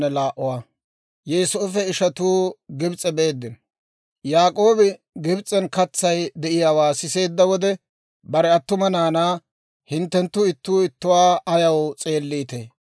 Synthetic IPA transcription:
ɛlaːʔʊwaː | jɛːsoːfɛɪʃɐt̪uːɡɪbt͡sʼɛbe̞ːd̪ːɪn | jaːkʼo̞ːbɪ | ɡɪbt͡sʼɛnkɐt͡sːɐjd̪ɛʔɪjaːwaːsɪse̞ːd̪ːɐwɔd̪ɛ | bɐɾɛɐt̪ːʊmɐnaːnaː | hɪnt̪ːɛnt̪ːʊɪt̪ːuːɪt̪ːʊwaːɐjɐwt͡sʼe̞ːlːiːt̪ḛː

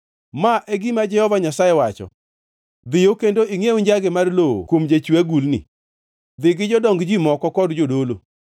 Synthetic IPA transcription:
maʔɛɡimad͡ʒɛhɔvaɲasajɛwat͡ʃɔ̰ | d̪ɪjokendoiŋeuɲd͡ʒaɡɪmarloo̰kwomd͡ʒat͡ʃwaɡulnɪ̰ | d̪ɪɡɪd͡ʒɔdɔŋɡd͡ʒimɔkɔkɔdd͡ʒodolo

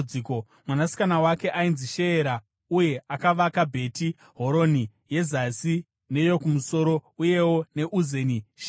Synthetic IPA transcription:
d͡ziːko | mwanasi̥kanawake̞ʔainziʃe̞ːɾa | uje̞akaʋakabʱe̞ti | ɦo̞ɾo̞ni | je̞zasi | ne̞jo̞kumuso̞ɾo̞uje̞wo̞ne̞ʔuzeniʃ

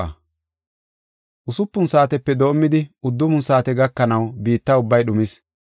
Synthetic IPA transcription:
ɐ̰ | ʔʊsʊpːʊnsaːt̪ɛpːɛd̪o̞ːmːɪd̪ɪʊd̪ːʊmʊnsaːt̪ɛɡɐkːɐnɐwbiːt̪ːɐʊbːɐjɗʊmɪs

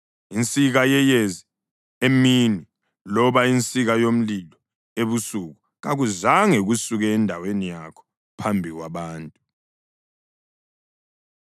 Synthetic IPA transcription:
int͡sʼiɣajɛjezi | emini | lɔβaint͡sʼiɣajom̩lilɔ | eβusuɣu | ɣaɣuzaŋɛɣusuɣɛːndʱawenijakʰɔ̥ | pʰambʱiɣwaβaːntʼu

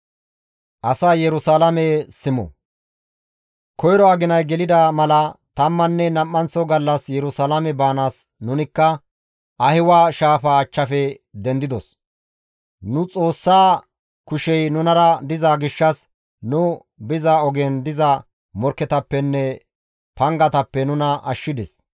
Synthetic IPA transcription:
ʔɐsaːjɛɾʊsaːlɐmɛsɪmɔ̰ | kʰɔjɾɔɐɡɪnɐjɡɛlɪd̪ɐmɐlɐt̪ɐmːɐnːɛnɐmːɐnt͡sːɔɡɐlːɐsjɛɾʊsalɐmɛbaːnaːs | nʊnɪkːɐ | ʔɐhɪwaːʃaːfat͡ʃːɐfɛ | d̪ɛnd̪ɪd̪ɔs | nʊt͡sʼo̞ːsːaː | kʊʃɛjnʊnɐɾɐd̪ɪzaːɡɪʃːɐs | nʊ | bɪzaɔɡeːnd̪ɪzɐ | mɔɾkːɛt̪ɐpːɛnːɛ | pɐŋɡɐt̪ɐpːɛnʊnɐʔɐʃːɪd̪ɛs

